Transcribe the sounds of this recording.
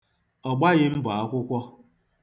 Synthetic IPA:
ɔ˨ɡ͡ba˦ɣɪ˦m̩˦bʊ˨a˦kʷʊ˦kʷɔ˦

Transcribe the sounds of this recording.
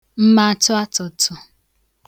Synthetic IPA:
m̩˦ma˦tʊ˦a˦tʊ˨tʊ˨

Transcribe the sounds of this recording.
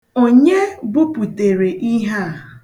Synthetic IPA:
o˦ɲe˦ɡ͡bʊ˦pu˨te˨ɾe˨ʔi˦ɦa˦˨

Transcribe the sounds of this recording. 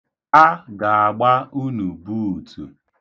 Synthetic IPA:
a˦ɡa˨a˨ɡ͡ba˦u˦nu˨bu˦u˨tʰṵ˨

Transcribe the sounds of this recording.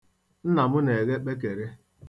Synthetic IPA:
n̩˦na˨mʊ˦ne˨ɣe˦k͡pe˦k̬e˨ɾe˦

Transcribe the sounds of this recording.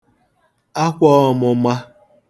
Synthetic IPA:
a˦kʷɔ˦˨mʊ˨ma˦

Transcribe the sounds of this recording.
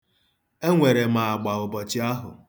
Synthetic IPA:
e˦ŋʷe˨ɾe˨m̩a˨a˨ɡ͡ba˨ʊ˨bɔ˨t͡ʃɪ˦a˦ɦʊ̰˨

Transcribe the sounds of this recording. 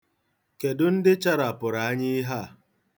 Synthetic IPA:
ke˨dʊ˦n̩˦dɪ˦t͡ʃa˦ɾa˨pʊ˨ɾa˨a˦ɲɪ˦ɦa˦˨

